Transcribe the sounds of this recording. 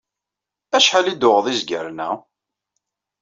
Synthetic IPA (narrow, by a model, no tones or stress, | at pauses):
æʃħalid̪ʊʁðˤizɡəɾnæ̰